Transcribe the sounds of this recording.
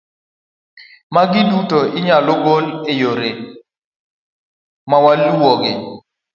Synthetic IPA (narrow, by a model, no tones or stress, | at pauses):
maɡɪdutoɪɲalʊɡolejoɾe | mawaluwɔɡɪ